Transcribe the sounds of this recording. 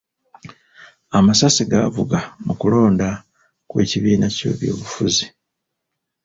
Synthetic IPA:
amasasiɡavuɡamukulo̞ːnda | kwe̞ːciβiːnaco̞̰ːβjoːβufuzi

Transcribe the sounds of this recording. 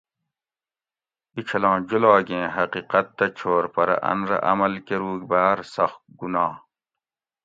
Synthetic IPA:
it͡ɕʰɐlɑ̃ːd͡ʑulɑːɡẽːɦɐqiːqɐt̪ːɐt͡ɕʰoːɾpɐɾɐ̰ʔɐ̰nɾɐ̰ʔɐ̰mɐlkeɾuːɡbaːɾsɐxt̪̚ɡunɑː

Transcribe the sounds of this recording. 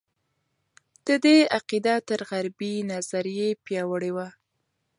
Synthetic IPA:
d̪̥əd̪eaqid̪at̪əɾɣaɾbinazaɾjepjɑwəɽewa

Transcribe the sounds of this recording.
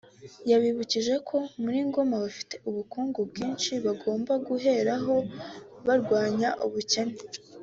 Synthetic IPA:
jaβiβuciʒe̞kʰo̞muɾiːŋɡo̞maβafi̥te̞uβukuːŋɡubɡiːnʃiβaɡo̞ːmbaɡuɦe̞ɾaɦo̞βaɾɡwaːɲaʔuβuce̞ne

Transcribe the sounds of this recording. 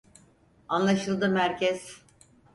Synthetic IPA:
anlˠaʃɯlˠd̪ɯmhæɾcʰɛz̥

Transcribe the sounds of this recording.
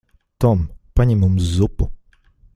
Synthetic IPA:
t̪ɔmpaɲʲimumzupʊ

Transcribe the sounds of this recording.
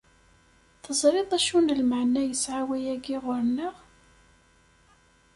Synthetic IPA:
θəzˤɾeðˤæʃunəlməʕnæjəsʕawæjæɡiʁʊɾnəʁ

